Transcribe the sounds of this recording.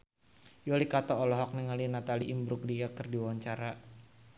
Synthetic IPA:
jolikat̪ɔːlɔɦɔk̚nɛŋalinat̪aliʔimbɾuk̚diɡakərdiwaɲt͡ʃaɾa

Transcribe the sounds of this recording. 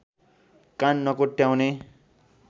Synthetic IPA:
kanːʌkoʈjaw̃ne

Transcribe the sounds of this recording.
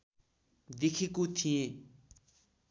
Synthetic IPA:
d̪ekʰikut̪ʰiẽ

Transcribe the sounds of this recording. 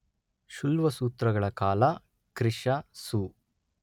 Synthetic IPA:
ʃulʋɐsuːt̪ɾɐɡɐɭɐkaːlɐ | kɾiʂɐsuː

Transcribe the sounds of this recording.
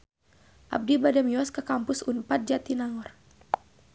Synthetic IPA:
ʔa̰b̚dibadamiɔskəkampusunpat̪̚d͡ʒat̪inaŋɔr

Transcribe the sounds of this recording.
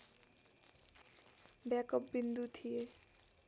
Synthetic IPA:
bjakʌpbind̪ut̪ʰije

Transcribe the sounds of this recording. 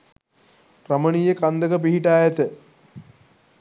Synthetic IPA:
kɾɐmənijekand̪əkəp̬iɦiʈaːjɐt̪ə

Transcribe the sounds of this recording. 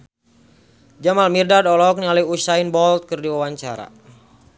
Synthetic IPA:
d͡ʒamalmirdadɔlɔk̚nialɛusainbɔlt̪̚kɨrdiwawaɲt͡ʃaɾa̰

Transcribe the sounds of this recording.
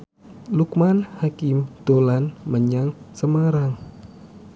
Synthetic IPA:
lukmanhakɪmd̪̥olanməɲaŋsəmaɾaŋ

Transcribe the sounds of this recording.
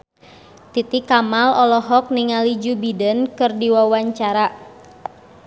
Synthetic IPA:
t̪it̪ikamalɔlɔɦɔk̚niŋalid͡ʒubidənkɨrdiwawaɲt͡ʃaɾa

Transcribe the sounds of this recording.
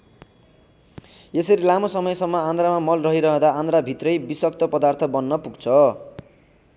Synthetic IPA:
jesʌɾilamosʌmʌjsʌmːʌãnd̪ɾamamʌlrʌɦiɾʌɦʌ̃d̪aʔand̪rabʱit̪rʌjbiswʌk̚t̪ʌpʌd̪art̪ʰʌbʌnːʌpuɡt͡sʰʌ

